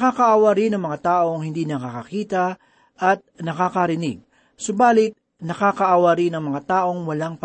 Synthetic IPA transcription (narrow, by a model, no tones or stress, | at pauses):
kaːkɐʔaːwɐɾɪnɐŋmɐŋat̪aːʔo̞ŋhɪnd̪inɐkakɐkiːt̪ɐ | ʔɐt̪̚nɐkakɐɾɪnɪɡ̚ | sobaːlɪt̪̚ | nɐkaːkɐʔaːwɐɾinɐŋmɐŋat̪aːʔo̞ŋwɐlaŋp